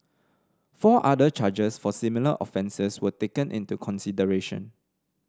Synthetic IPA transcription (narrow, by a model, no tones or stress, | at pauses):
fɔʔadət͡ʃad͡ʒəsfɔsimilə̰ʔɔfɛ̃nsəswətekə̃nʔḭ̃ntukʰɔ̃nsidəɹeʃə̰̃n